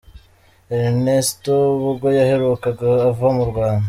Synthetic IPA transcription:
eɾnestoβuɡo̞jaheɾukaɡaːvuhamuɾɡwaːnda

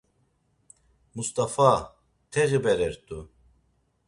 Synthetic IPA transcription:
must̪ʼafa | t̪ʰɛɣibɛɾɛɾt̪ʰʼu

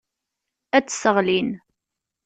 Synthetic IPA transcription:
æt͡sːsəʁlin

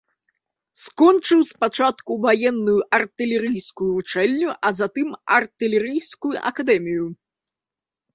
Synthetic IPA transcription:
skɔnt͡ʂɨwspat͡ʂat̪kuvajɛnːujuʔɐrt̪ɨlʲɛɾɨjskujuvut͡ʂɛlʲnʲuʔɐzat̪ɨmɐrt̪ɨlʲɛɾɨjskujuʔɐ̰kad̪ɛmʲiju

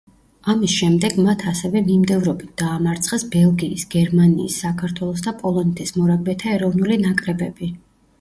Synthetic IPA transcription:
amisʃɛmd̪ɛɡmat̪ʰasɛvɛmimd̪ɛvɾɔbit̪̚d̪̥aːmaɾt̪sʰχɛsbɛlˠɡiːsɡɛɾmanḭːsːakʰaɾt̪ʰwɛlˠɔs̬d̪apʼɔlˠɔnɛt̪ʰɛsmɔɾaɡ̚bɛt̪ʰaɛɾɔvnulinakʼɾɛbɛbi

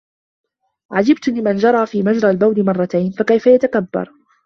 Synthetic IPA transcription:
ʕad͡ʒɪbt̪lɪmand͡ʒɑɾˤɑːfiːmad͡ʒɾˤalbawd̪ɪmɑrˤːɑt̪ajnfakajfajat̪akabːɑ̰ɾˤ

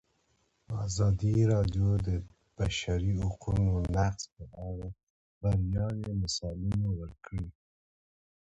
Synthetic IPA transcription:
əɑzɑd̪iɾɑdjod̪ə | b̥aʃaɾihʊqunonaqspəʔaɽa | baɾjɑnemasɑlɪnowəɾkɽi

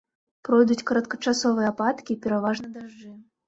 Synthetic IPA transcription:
pɾɔjd̪ut͡sʲkɐɾɐt̪kɐt͡ʂasɔvɨjɛpat̪kʲipʲɛɾavaʐnɐd̪aʐd͡ʐɨ

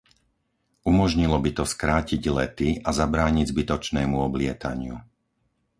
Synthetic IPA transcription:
umɔʒɲilɔbit̪ɔskɾaːciɟlɛt̪iazabɾaːɲiɟzbit̪ɔt͡ʃnɛːmuɔblɪɛt̪a̰ɲɪṵ

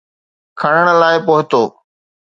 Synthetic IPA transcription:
kʰɐɽ̃əɽ̃laːɪpoːɦɪt̪oː

